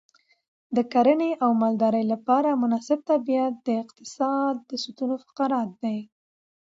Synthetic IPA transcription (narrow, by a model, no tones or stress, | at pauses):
d̪əkaɾəneʔawmald̪ɑɾəjlapɑɾamʊnɑsɪb̚t̪abijat̪̚d̪əɪqt̪ɪ̥sɑd̪̚ːəsut̪unofḁqɑɾɑt̪̚d̪aj